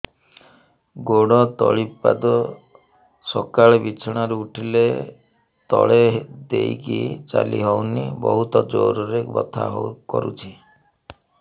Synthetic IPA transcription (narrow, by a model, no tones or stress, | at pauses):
ɡoɽɔt̪ɔɭipa̰d̪ɔ | sɔkaɭebit͡ʃʰɔɽ̃aɾeuʈʰile | t̪ɔɭed̪ejkit͡ʃalḭɦɔwnibɔɦut̪ɔd͡ʒoɾɔɾebɔt̪ʰa̰ɦowkɔɾut͡ʃʰi